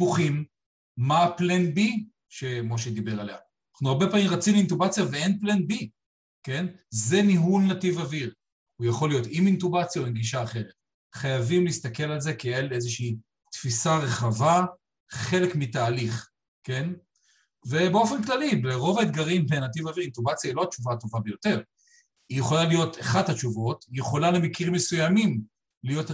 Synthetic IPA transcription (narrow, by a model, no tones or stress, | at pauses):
puχimː | aːplenbi | ʃemo̞ʃed̪ibe̞ʁalea | naχnuaʁbe̞paːmimʁat͡simintubat͡sjaveenplenbi | ke̞nze̞niɦulnativaviʁ | hujaχo̞lijo̞t̪imintubat͡sjaoinɡiʃ̬aːχe̞ʁet̪̚ | χajavimliist̪ake̞lalze̞keelezeʃiː | tfisaʁe̞χava | χe̞le̞kmitaːliχ | ke̞n | ve̞beo̞fe̞nklalibleʁo̞vaed̪ɡaʁimbenat̬ivaviʁintubat͡sjailo̞at͡ʃuvato̞vabejo̞te̞ʁ | ijeχo̞lalijo̞taχadhat͡ʃuvo̞tijeχo̞lalemekiʁime̞sujamim | lijo̞t